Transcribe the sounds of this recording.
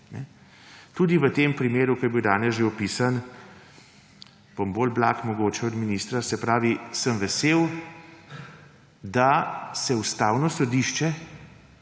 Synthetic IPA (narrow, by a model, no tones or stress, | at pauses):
nɛ̰ | t̪uːd̪iʋət̪eːmpɾimeːɾukɔjbiwd̪aːnɛsʒeɔpiːsan | b̥ombolblaːkmɔɡoːt͡ʃɛɔd̪minist̪ɾasɛpɾaːʋisəmʋɛseːw | d̪asɛust̪aːwnɔsɔd̪iʃt͡ʃɛ